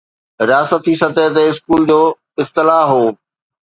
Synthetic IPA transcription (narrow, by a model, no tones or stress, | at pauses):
ɾaːsət̪ʰisɐt̪et̪̬eɪskuːld͡ʑoː | ɪst̪ɪlaːɦoː